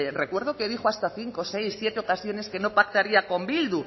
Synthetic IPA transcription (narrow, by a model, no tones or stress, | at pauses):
rekwe̞ɾðokeðixoast̪aθiŋko̞se̞jsθje̞t̪eokasjo̞ne̞ske̞no̞pak̚t̪aɾiako̞mbild̪u